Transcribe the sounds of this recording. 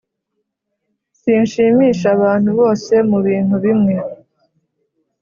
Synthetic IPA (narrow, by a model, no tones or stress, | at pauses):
sinʃiːmiːʃaβaːn̥huβo̞ːse̞muβiːn̥uβimŋe̞